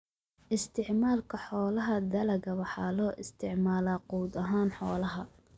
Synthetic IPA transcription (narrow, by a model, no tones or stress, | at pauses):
ʔɪst̪ʰɪʕmaːlkʰɐħɔːlɐɦɐd̪ɐlɐɣɐwɑħɑːlɔːʔɪst̪ʰɪʕmaːlaːquːd̪ɐɦaːnħɔːlɐɦɐ